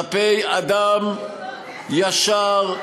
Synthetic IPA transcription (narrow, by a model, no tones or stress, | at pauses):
apejad̪am | jaʃaʁ